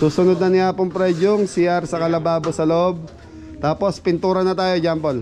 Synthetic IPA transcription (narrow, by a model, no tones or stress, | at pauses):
suːsʊnod̪̚nɐnɪʔaːpoŋpɾɛd͡ʒoŋsɪjaɾsɐkɐlɐbaːbosɐloʔob̚ | t̪aːpo̞spɪnt̪uːɾɐnɐt̪aːjod͡ʒampol